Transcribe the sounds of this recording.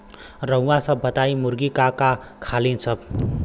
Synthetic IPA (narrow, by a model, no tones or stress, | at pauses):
rʌw̃wasʌbʱːʌt̪ajmuɾɡikakakʰalinsʰʌb̚